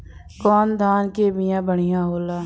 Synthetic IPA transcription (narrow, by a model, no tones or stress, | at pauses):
kɔːnd̪ʱaːnkebɪjãːbəɽ̃ɪjãɦoːlaː